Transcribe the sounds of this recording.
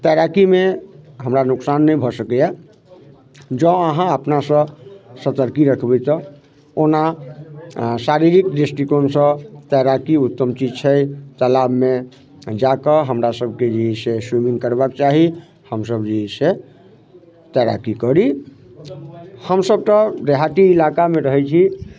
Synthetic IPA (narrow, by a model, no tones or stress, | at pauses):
t̪ɛɾakimeɦəmɾanuksanːəibʱɔsəkɛja | d͡ʒə̃əɦãəpnasə̃sət̪əɾkiɾəkʰbɛt̪ɔ | ona | saɾiɾikɖesʈikonsə̃t̪ɛɾakiut̪ːəmt͡ʃid͡ʒt͡ʃʰəjt̪əlabme | d͡ʒakəɦəmɾasəbʱked͡ʒiɦiseswimiŋɡkəɾbakt͡ʃaɦi | həmsəbd͡ʒiɦise | t̪ɛɾa̰kikəɾi | həmsəb̚ʈ̪əɾeɦaʈiilakamẽɾəɦɛt͡ʃʰi